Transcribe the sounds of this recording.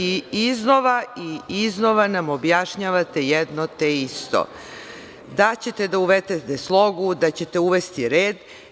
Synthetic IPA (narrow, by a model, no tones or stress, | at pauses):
iiznoʋaiizno̞ʋanamobjaʃɲaːʋat̪ejɛd̪not̪eist̪o̰ | d̪at͡ɕe̞t̪e̞d̪auʋet̪et̪eslˠo̞ɡud̪at͡ɕe̞t̪e̞uʋest̪iɾe̞ːd̪